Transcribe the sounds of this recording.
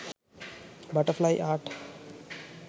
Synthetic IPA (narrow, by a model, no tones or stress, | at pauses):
bɐʈəflajʔaːʈ